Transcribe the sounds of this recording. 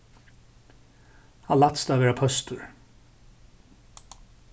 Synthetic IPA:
hɑlat̪st̪aːvɛːɾapʰœst̪ʊɹ

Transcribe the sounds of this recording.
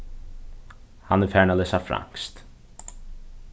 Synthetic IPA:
hanɛfæːɳalɛːsafɾa̰ŋ̥kst̪

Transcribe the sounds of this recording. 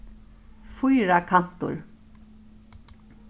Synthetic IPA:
fujɾakʰan̥t̪ʊ̰ɹ

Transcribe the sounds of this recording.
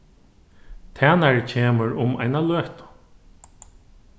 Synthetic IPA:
t̪ʰæːnaɹcʰeːməɹʊma̰jnaløːht̪ʊ̥

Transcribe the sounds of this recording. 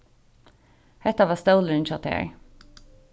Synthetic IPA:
hɛt̪ɑʋɑːst̪oʊlənʃɔt̪hḛɹ

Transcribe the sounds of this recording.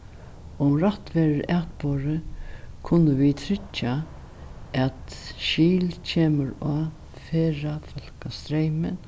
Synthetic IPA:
ʊmɾaht̪ʋeːɾəɾæːt̪boːɾəkʰʊnːəʋit̪ʰɾɪt͡ʃːa | ʔɛt̪ʃiːlt͡ɕʰeːməɾa | feːɾafɔl̥kast̪ɾejmɪn

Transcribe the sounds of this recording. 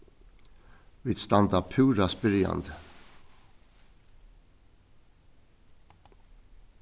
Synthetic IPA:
ʋit̪st̪ɑnd̪ɑpʰʉːɾɑsbɪɾjɑ̰nd̪

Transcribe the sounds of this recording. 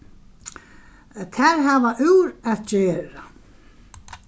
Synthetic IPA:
kʰvɛɾɦavaʔʉwɾaðd͡ʑɛːɾa

